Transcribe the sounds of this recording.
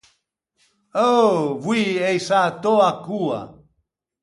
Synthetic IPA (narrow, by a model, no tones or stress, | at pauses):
ovwiejsat̪oakua̰